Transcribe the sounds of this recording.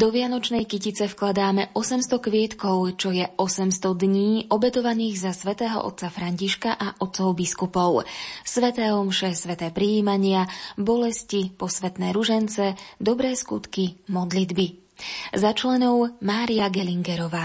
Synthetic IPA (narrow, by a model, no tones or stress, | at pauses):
d̪ɔʋɪanɔt͡ʃnɛjkicit͡sɛfklad̪aːmɛʔɔsɛmst̪ɔkʋɪɛt̪kɔʊt͡ʃɔjɛʔɔsɛmst̪ɔd̪ɲiːʔɔbɛt̪ɔʋaniːɣzasʋɛt̪ɛːɦɔ̰ʔɔ̰t̪̚t͡safɾaɲciʃkaʔaʔɔt̪̚sɔʊbiskupɔʊsʋɛt̪ɛːɔmʃɛsʋɛt̪ɛːpɾiiːmaɲɪabɔlɛscipɔsʋɛt̪nɛːɾuʒɛnt͡sɛd̪ɔbɾɛːskut̪kimɔd̪lid̪bi | zat͡ʃlɛnɔʊmaːɾijaɡɛliŋɡɛɾɔʋaː